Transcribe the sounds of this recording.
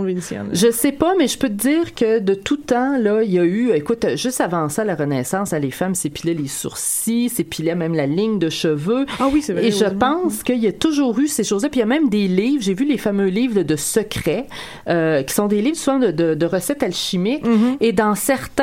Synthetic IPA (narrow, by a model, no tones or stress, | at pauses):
venisjɛ̰nʒəsɛpamɛʒəpød̪iːʁkəd̪ət̪ut̪ɑ̃lʌiljayekʊt̪ʒʏst̪avɑ̃sɔalaʁənɛsɑ̃ːsalefamsepilɛlesṵʁsisepʰilɛmɛ̃mlalɪŋd̪əʃəvøawiseveʒəpɑ̃skʲəiljat̪uʒuːʁyseʃoːzlapijamɛ̃md̪eliːvʒevylefamøliːvʁd̪əsəkʲχɛ | økʲi̥sɔ̃d̪eliːvsuvɑ̃d̪əd̪əd̪əʁəsɛt̪alʃimɪkʲed̪ɑ̃sɛʁt̪ɛ̃